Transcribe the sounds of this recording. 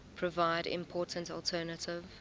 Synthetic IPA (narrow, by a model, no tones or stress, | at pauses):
pʰɹ̥ɔvaɪdɪ̰̃mpʰɔːˑtə̃ntɔltʰɛːnətɪv